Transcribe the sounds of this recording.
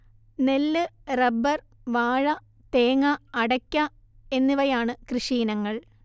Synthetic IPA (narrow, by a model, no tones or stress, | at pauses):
ne̞lːɨrɐbːɐr | ʋaːɻɐ | t̪eːŋɐɐɽɐkʲːɐ | e̞nːiʋɐjaːɳɨkrɨʂiːnɐŋːɐɭ